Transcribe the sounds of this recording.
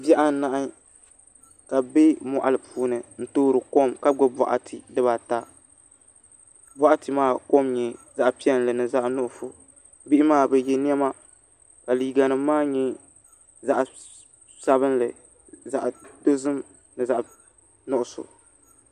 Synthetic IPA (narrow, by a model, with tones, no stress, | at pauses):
bɛ˦ʔa˦˨˦na˨ʔa˦ | ka˨be˦mɔ˨ʔa˨lɨ˨pʰuː˦nɨ˨n̩˦toː˦ɾɨ˨ko˦mka˦ɡo˦bɔ̰˨ʔa̰˨tʰɨ˨dɨ˦βa˨ta˦ | bɔ˦ʔa˦tɨ˨maː˦ko˦mɲɛ˨ | za˦˨ʔpi˦ɛ˦n˨lɨ˨nɨ˨za˦ʔnʊ˦ʔʊ˨fʊ˨ | bi˦ʔɪ˦maː˦˨bɛ˨jɛ˦n˦ɛ˦ma˦ | ka˨liː˨ɡa˨nɨ˨mːaː˦ɲɛ˦ | za˨ʔ | sa˦βɨ˦nlɨ˨ | za˨ʔdo˦zɨ˦m | nɨ˨za˨ʔ | nʊ˦ʔʊ˨sʊ̰˨